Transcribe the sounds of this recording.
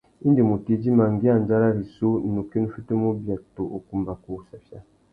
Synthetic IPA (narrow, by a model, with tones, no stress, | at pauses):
i˦ndi˨mu˨ti˦d͡ʒi˦ma˨ŋ˦ɡi˦a˦n˨d͡ʒa˦ɾa˦ɾi˨so˦˨nu˨ki˦n˦fi˦tə˦mo˦bja˨k̚to˨ʔo˨ku˨mba˨ku˦sa˨fja˦